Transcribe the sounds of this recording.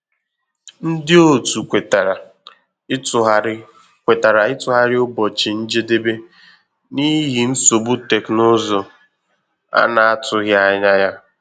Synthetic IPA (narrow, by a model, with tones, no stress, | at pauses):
n̩˦dɪ˦o˦˨tu˨e˨t | kʷe˨ta˨ɾa˨ɪ˦tʊ˨ɦa˦ɾɪ˦ʊ˦bɔ˨t͡ʃɪ˨n̩˦d͡ʒe˦de˦be˦ | ni˦ɦi˨n̩˦so˨bu˦te˨kno˦zo˨ | a̰˦na˦a˦tʊ˨ɣja˦ɲa˦ja˦